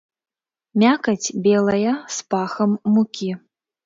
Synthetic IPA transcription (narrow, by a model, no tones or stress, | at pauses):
mʲakɐt͡sʲbʲelˠɐjɐspaxɐmːukʲi